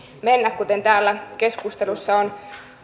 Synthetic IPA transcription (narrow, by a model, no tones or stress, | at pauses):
menːækkut̪ent̪æːlːæke̞skust̪elusːɑon